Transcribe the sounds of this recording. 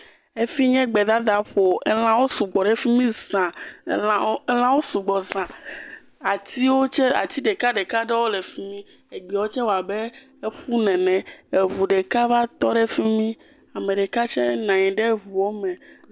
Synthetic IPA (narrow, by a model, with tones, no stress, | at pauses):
e˦fi˦ɲɛ̃˦ɡ͡bɛ˨d̪a˦d̪a˨ɸo˨ɛ˦l̃ã˦wo˦su˨ɡ͡bɔ˨ɖe˦fi˦mĩ˦zã˨˦ | l̃ã˦wo˦su˨ɡ͡bɔ˨zã˨ | a˨t̪i˦wo˦t͡ʃɛ˦a̰˨t̪i˦ɖe˨ka˦ɖe˨ka˦ɖe˦wo˦le˨fi˦mĩ˦ | e˨ɡ͡bi˨o˦t͡ʃɛ˦wo˨a˨be˦ | e˦ɸu˦nɛ̃˨nɛ̃˨e˨vu˨ɖe˨ka˦va˦t̪ɔ˦ɖe˦fi˦mĩ˦ | a˨mẽ˨ɖɛ˨ka˦t͡ʃɛ˦nã˨ɲĩ˨ɖe˦βu˨wo˦mɛ̃˨